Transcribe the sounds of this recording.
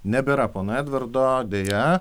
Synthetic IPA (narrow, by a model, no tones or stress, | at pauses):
nʲɛbʲeɾɐpoːnoæːd̪ʲʋʲɪɾd̪oːd̪ʲeːjɛ